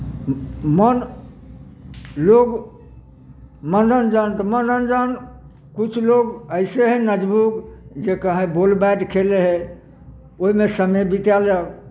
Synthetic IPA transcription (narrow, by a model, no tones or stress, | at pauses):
mən | loɡ | məndənd͡ʒant̪ɔmənənd͡ʒan | kut͡ʃʰloɡəɪseɦẽnəd͡ʒbukd͡ʒekəɦẽbolbaɖkʰeleɦe | oimesəmebit̪jald͡ʒa